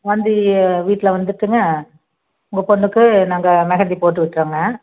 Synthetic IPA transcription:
ʋɐnd̪ɯʋiːʈːɪlɐʋɐnd̪ɯɾt̪ːɯŋɡɐ | ʊŋɡɐpɔɳːɯkːɯnaːŋɡɐmɛɣɐnd̪ipoːʈːɯʋɪʈːɾɐːŋɡɐ

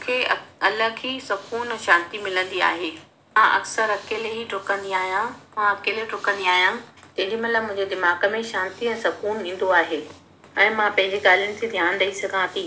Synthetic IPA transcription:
kʰeːɐləkʰiːsɐkuːnɛ̃ʃãːnt̪imɪlə̃nd̪ia̰ːɦeː | mãʔɐ̰ksəɾɐkeːleɦiʈʊkə̃nd̪iaːɦijãmãɐkeːleʈʊkə̃nd̪iaːɦijãt̪ɐ̃ɦɪ̃ɲd͡ʑimɐt̪ləbmʊ̃ɦɪ̃ɲd͡ʑed̪ɪmaːɡə̆mẽʃãːnt̪iɛ̃ːsɐkuːnĩːn̆d̪oaːɦeː | ɛ̃ːmãpɐ̃ɦɪ̃ɲd͡ʑeɡaːl̤ijʊnɪ̆t̪ʰed̪ʱjaːnɾɐisɐɡʱãt̪ʰiː

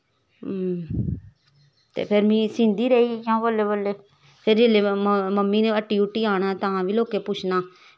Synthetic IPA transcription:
t̪ḛːpʰɪɾmĩːsɪ̃ːnd̪iːɾəikãːboːleːboːleː | pʰɪɾeleːməmːiːnẽːəʈiːʊʈːiːaːnaːt̪əãːʋiːloːkeːpʊt͡ʃʰnaː

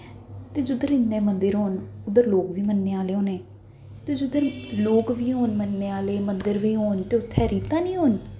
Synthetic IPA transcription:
t̪eːd͡ʒʊd̪əɾɪnːɛ̃ːmənd̪əɾɦoːnʊd̪əɾloːkʋiːmənːeːaːleːɦoːneː | t̪eːd͡ʒʊd̪əɾloːkʋiːɦoːnmənːeːaːleːmənd̪əɾʋiːɦoːnt̪eːʊt̪ʰːɛːɾiːt̪ãːnĩːɦoːn

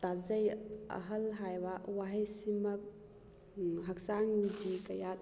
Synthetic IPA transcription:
t̪azɐjɐ̰ɦɐlɦajwawaɦɐjsimɐk̚ | ɦɐk̚saŋdikɐjat̪̚

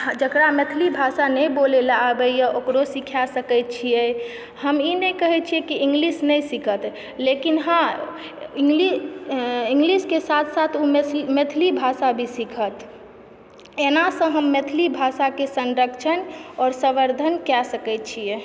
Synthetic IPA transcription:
d͡ʒəkɾamet̪ʰlibʱasanɛ̃bolelaːbəijəokɾosikʰjasəkət̪̚t͡ʃʰijɛ | həminɛkəɦɛt̪̚t͡ʃʰiɛkiʔɪ̃ŋɡlisnəjsikʰət̪ | lekinɦã | iŋɡli | ĩŋɡliskesat̪ʰsat̪ʰommet̪ʰlibʱasabʱisikʰət̪ | enasə̃ɦəmːet̪ʰlibʱasakesə̃nɾəkt͡ʃʰənɔːɾsəʋəɾd̪ʱənkɛsəkət̪̚t͡ʃʰiɛ

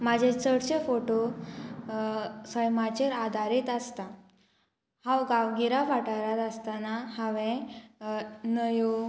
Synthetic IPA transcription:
mad͡ʑʱẽt͡səɽɕefoʈo | səjmat͡ɕeɾad̪ʱaɾiːt̪əst̪a | hãwɡawɡiɾafaʈaɾat̪ast̪anahəʋẽ | nəju

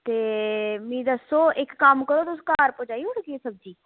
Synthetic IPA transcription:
t̪eːmĩːd̪əsoːʔɪkːəmkəɽoːt̪oʊskaːɾpoːd͡ʒaːiːʊɽkiesəb̚d͡ʒiː

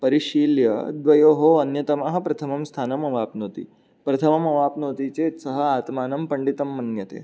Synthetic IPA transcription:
pɐɾiʂiːljɐ̰d̪ʋɐjoːɦoːɐnjɐt̪ɐmaɦɐ̆pɾɐt̪ʰɐmɐmst̪ʰaːnɐmɐʋaːpnoːt̪ḭ | pɾɐt̪ʰɐmɐmɐʋaːpnoːt̪iːt͡seːt̪sɐɦɐ̆aːt̪maːnɐmpɐɳɖit̪ɐmːɐnjɐt̪ḛː

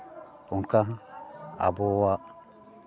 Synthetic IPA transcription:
uŋka | a̰bowa

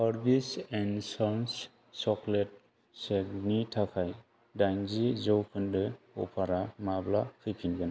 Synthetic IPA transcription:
saɾbisɛnsɔns | sɔklɛt̚ | sɛɡnitʰakʰaj | dajnzizɔwkʰɯndɯ | ɔ̰pʰaɾamablakʰɯkʰinɡan

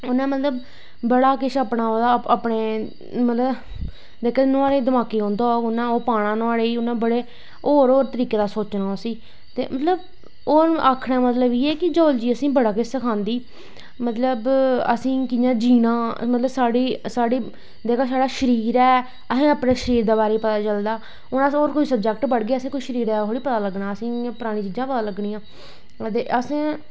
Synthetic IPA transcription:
ʊnãːmət̪ləb | bəɽaːkɪʃəpɳãːod̪aːpɳeː | mət̪ləb | d̪eːkʰanʊ̃aːɽeːd̪əmaːkeːɦõːnd̪aːʊnːãːoːpaːɽ̃ãːnʊaːɽeːiːʊnãːbəɽeː | oːɾoːɾt̪əɾiːkeːd̪aːsoːt͡ʃnaːosĩː | t̪ḛːmət̪ləb | oːɾʔaːkʰɽãːmət̪ləbiːɛːkɪd͡ʒoːld͡ʒiːəsĩːbəɽaːkɪʃsəkʰãːnd̪iː | mət̪ləbə̰sĩːkɪjãːd͡ʒiːnãːmət̪ləbsaːɽiːsaːɽiː | d̪eːkʰãːs̬aːɽaːʃəɾiːɾɛː | əɦẽːəpneːʃəɾiːɾd̪aːbaːɾiːpət̪aːt͡ʃəld̪aː | ʊnoːɾkoiːsəb̚d͡ʒɛk̚ʈbəɽɡeːəsẽːkoiːʃəɾiːɾɛːɦoːɽiːpət̪aːləɡnaːəsĩːpʊɾaːɽ̃ĩːt͡ʃiːd͡ʒãːpət̪aːləɡniːãː | t̪eːʔəsẽː

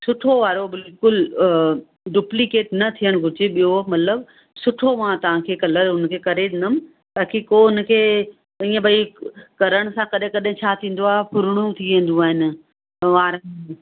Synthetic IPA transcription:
sʊʈʰoʋaːɾobɪlkʊl | ɖuːplikeːʈnɐt̪ʰijəɽ̃ɡʱʊd͡ʑeɓijomɐt̪ləb | sʊʈʰoʋãt̪ɐʋ̤ãkʰeːkɐləɾʊnkʰeːkɐɾẽnd̪əm | ɓaːkʰikoʊnə̆kʰeː | ĩːə̃bʱɐikɐɾəɽ̃̆sãkɐɗɦɪ̃kɐɗɦɪ̃t͡ɕʰaːt̪ʰĩːn̆d̪oaːɦepʰʊɾɽ̃ũt̪ʰiʋẽn̆d̪ũaːɦɪnɪ̆ | ʋaːɾə

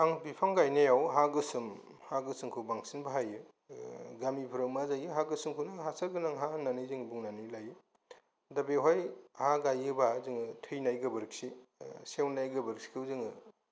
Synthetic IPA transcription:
aŋbipʰaŋɡajnejawɦaɡɯsɯm | haɡɯsɯŋkʰubaŋsinbaɦajɯ | ɡamipʰuɾɐwmazajɯɦaɡɯsɯŋkʰunɯɦasɐɾɡɯnaŋɦananɯjzɯŋbuŋnanɯjlajɯ | dɐbeɦojhaɡajɯbazɯŋɯtʰɯjnajɡɐbɯɾɯk̚sisewnajɡɐbɯɾk̚si̥kʰɯwzɯŋɯ

